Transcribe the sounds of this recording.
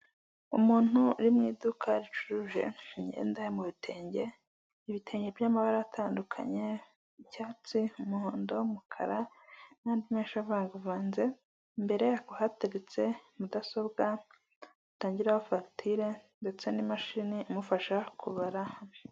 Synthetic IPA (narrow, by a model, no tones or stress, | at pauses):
umuːn̥huɾimŋiːdukʰaɾit͡ʃu̥ɾuʒe̞̰ɲɟe̞̰ːndajemuβitʰe̞ːɲɟe̞ | iβitʰe̞ːɲɟe̞vjaːmaβaɾajatʰaːndukʰa̰ɲe̞ | icaːt͡siumuhoːndoumukʰa̰ɾa | naːndimeːʃavaːŋɡavaːnze̞ | mbe̞ɾe̞jaɡuhatiɾit͡se̞mudaso̞bɡa | ataːɲɟiɾahofaktʰiɾe̞nde̞t͡se̞nimaʃiniumufaʃakʰuβaɾahame